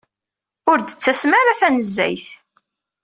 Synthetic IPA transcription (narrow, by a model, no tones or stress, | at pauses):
ʊɾd̪ət͡sːæsmaɾaθænəzːæ̰jθ